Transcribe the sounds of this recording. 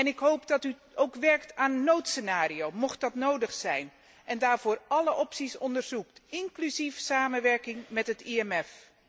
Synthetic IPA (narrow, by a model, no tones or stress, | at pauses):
ɛnɪkɦowpdɑty | owkʋɛɹktaːnənːowtsənaːrijowmɔxt̚dɑtnowdəχsɛjn | ʔɛndaːɹv̥ʊːrɑləʔɔpsisɔndərz̥uktɪŋklyzifsaːmənʋɛɹkɪŋmɛtɦətiɛmɛf